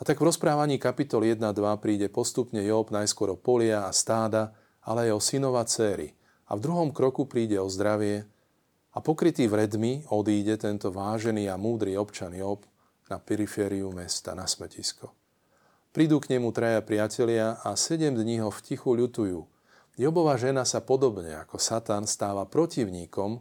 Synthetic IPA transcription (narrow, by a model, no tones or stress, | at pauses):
at̪aɡvɾɔspɾaːʋaɲiːkapit̪ɔljɛd̪nad̪ʋapɾiːɟɛpɔst̪upɲɛjɔbnajskʊɔɾɔpɔlɪaːst̪aːd̪a | alɛaɛɔsinɔʋat͡sɛːɾḭ | a̰vd̪ɾuɦɔmkɾɔkupɾiːɟɛɔzd̪ɾaʋɪɛ | apɔkɾit̪iːʋɾɛd̪miɔd̪iːɟɛt̪ɛnt̪ɔʋaːʒɛniːamuːd̪ɾiːɔpt͡ʃanjɔb | napɛɾifɛːɾiumɛst̪a̰nasmɛciskɔ | pɾid̪uːkɲɛmut̪ɾajapɾɪacɛlɪaasɛɟɛmd̪ɲiɦɔfcixuʎut̪ujuː | jɔbɔʋaːʒɛnasapɔd̪ɔbɲɛ̰a̰kɔsat̪anst̪aːʋapɾɔciʊɲiːkɔm